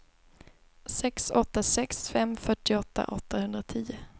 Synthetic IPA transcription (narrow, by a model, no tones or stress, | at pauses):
sɛksɔt̪ːasɛksfɛmːfœʈːɪɔt̪ːa̰ʔɔt̪ʰːahɵnd̪ɾat̪ʰiːʊ